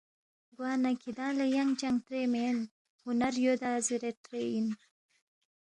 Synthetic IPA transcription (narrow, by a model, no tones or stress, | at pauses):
ɡwɑːnakʰid̪ɑ̃ːlajaŋt͡ʃaŋt̪ɾemen | hʊnaɾjod̪aːziɾetɾein